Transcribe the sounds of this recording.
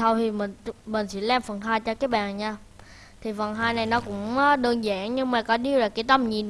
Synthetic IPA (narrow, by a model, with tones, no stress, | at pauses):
a˧wt̪ʰi˨˩mï˨˩ŋ̟˧mï˨˩ŋ̟sɛ̰˧˥laː˧˩mfə˨˩nɦaː˧jt͡ɕɔ˧kaː˨˦˥ɓa̰ː˧˨nɲaː˧ | t̪ʰi˨˩fə˨˩nɦaː˧jna˨˩jnɔ˨˦kʊ̰˧˥ŋ͡mːɗəː˧nzaː˧˥ŋɲɨ˧ŋmaː˨˩kɔ˨˦ɗi˧əlaː˨˩ki˨˧˦t̪ə˧mɲi˨˩n